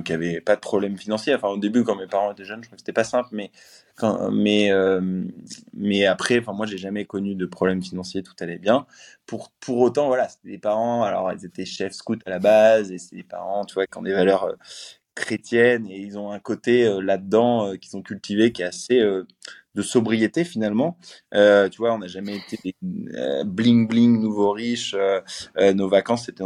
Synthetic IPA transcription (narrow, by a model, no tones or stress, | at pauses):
kʲjavɛpad̪əpχɔblɛmfinɑ̃sjeɑ̃fɛ̃od̪ebykɑ̃mepaʁɑ̃et̪ɛʒœnʒət̪χufkəse̥t̪ɛpasɛ̃plmɛ | kɑ̰̃mɛøm | mɛapχɛɑ̃fɛ̃mwaʒeʒamɛkɔnyd̪əpχɔblɛmfinɑ̃sjet̪u̥t̪alɛbjɛ̃puʁpʰuʁot̪ɑ̃vwalase̥t̪ɛd̪epaʁɑ̃alɔ̰ʁḭlzet̪ɛʃɛfskut̪alabazese̥t̪ɛd̪epa̰ʁɑ̃t̪yvwakɑ̰̃d̪evalœʁø̰ | kχet̪jɛneilzɔ̃ɛ̃kot̪eølad̪əd̪ɑ̃økʲi̥sɔ̃kʲylt̪ʰivekʲɛaseød̪əsɔbʁijet̪efinalmɑ̃øt̪yvwaɔ̃naʒamɛet̪ed̪eø̰blĩŋblĩŋnuvoʁiʃøønovakɑ̃sːet̪ɛ